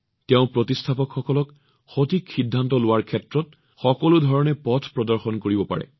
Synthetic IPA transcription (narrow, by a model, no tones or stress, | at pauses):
tɛʊ̃pɹɔtistʰapɔkxɔkɔlɔk | xotʰikxidʱːantɔlʊwaɹkʰɛtɹɔt | xɔkɔlʊdʱɔɹɔnɛpɔtʰpɹɔdɔɹxɔnkoɹibɔpa̰ɹɛ̰